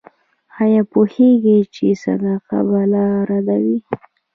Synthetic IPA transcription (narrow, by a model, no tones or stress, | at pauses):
hajɑpoheɡit͡ʃesa̰naqa̰balaɾad̪awi